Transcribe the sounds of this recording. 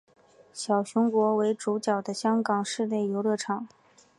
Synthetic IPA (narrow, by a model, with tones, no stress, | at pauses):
ɕjɑ˨˩ʊɕʊ˧˥ŋkwɔ˧˥we˧˥ɪʈ͡ʂu˧˥t͡ɕjɑ˨˩ʊd̪ə˦ɕjɑ˥ŋkɑ˨˩ŋʂɻ̩˥˧lje˥˩ɪjo˧˥ʊlɤ˥˩ʈ͡ʂʰɑ˨˩˦ŋ